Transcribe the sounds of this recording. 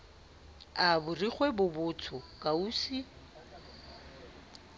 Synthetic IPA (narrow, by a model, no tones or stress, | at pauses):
abʊriχwebʊbʊt͡sʰʊkʼauːsi